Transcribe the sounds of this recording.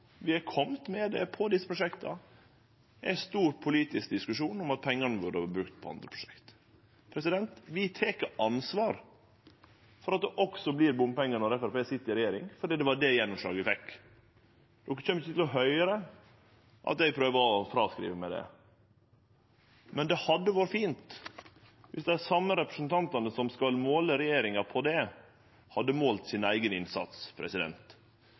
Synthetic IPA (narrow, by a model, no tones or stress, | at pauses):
ʋɪhɑɾkʰɔmt̪mɛd̪ɛpʰɔd̪ɪsːəpɾʊʂɛkt̪ʰɑ | æ̰ɪst̪uːɾpʰʊliːt̪ɪskd̪ɪskʉʂuːnɔmɑt̪̚pʰɛŋːɑnəʋʉɖəhɑbɾʉkt̪̚pʰɔɑ̰nd̪ɾəpʰɾʊ̥ʂɛ̥kt̪ | pʰɾɛsɪd̪ɛnt̪ʋɪt̪ʰeːkəɑnsʋɑːɾ | fɔɾɑt̪̚d̪ɛʔɔksɔblɪɾbʊmpɛŋːɑnəɾɛfæɾpeːsɪt̪ːəɪɾɛjeːɾɪŋfɔɖiːd̪ɛʋɑɖɛjɛnːʊmʂɭɑ̰ːɡəʋfɛkː | d̪̥ɔkːəçɛmːɪçət̪ʰɪlɔɦœʏɾə | ʔɑ̰t̪̚d̪ɛɪpʰɾøːʋəɔfɾɑskɾḭːʋəmɛd̪ɛ̰ | mɛnd̪ɛhɑd̪ːəʋuːɾəfiːnt̪ | ʋɪsd̪ɛæsɑmːəɾɛpɾə̥snt̪ʰɑnt̪ɑnəsɔmskɑlmoːləɾɛjeːɾɪŋɑpʰɔd̪ɛ | hɑd̪ːəmoːlt̪sɪnæɪɡənɪnsɑ̰t̪spʰɾɛ̰sɪd̪ɛ̰nt̪